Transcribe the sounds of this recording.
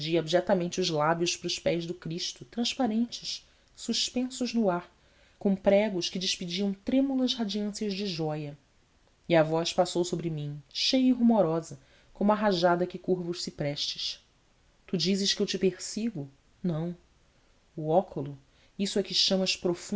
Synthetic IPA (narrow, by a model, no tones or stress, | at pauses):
d͡ʒiabiʒɛt̪ɐmẽnt͡ʃɪʊzlabjʊʃpɾʊʃpɛzd̪ʊkɾiʃt̪ʊt̪ɾɐ̃ʃpaɾẽnt͡ʃɪʃ | suʃpẽsʊʒnʊaɾ | kõpɾɛɡʊʃkɪd͡ʒɪʃpid͡ʒiɐ̃w̃t̪ɾẽmulɐzhad͡ʒiɐ̃siɐzd͡ʒɪʒɔjɐ | iɐvɔʃpasowsobɾɪmĩʃejɐiɦumoɾɔzɐ | kõmʊaɦaʒad̪ɐkɪkuɾvʊʃsɪpɾɛʃt͡ʃɪ̥ʃ | t̪ud͡ʒizɪʃkɪewt͡ʃɪpeɾsiɡʊ | nɐ̃w̃ | ʊɔkʰʊlʊ | isʊɛkɪʃɐ̃mɐʃpɾofũ